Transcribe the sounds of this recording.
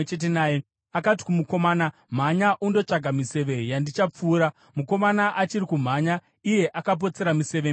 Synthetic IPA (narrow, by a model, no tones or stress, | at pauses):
et͡ʃet̬enaːje | akat̬i̥kumuko̞maːnam̤aɲaʔundo̞t͡ʂaɡʱamise̞ʋe̞jandit͡ʃap͡fuːɾa | muko̞manaʔat͡ʃiɾikum̤aɲa | ije̞ʔakap̬o̞t͡se̞ɾamise̞ʋe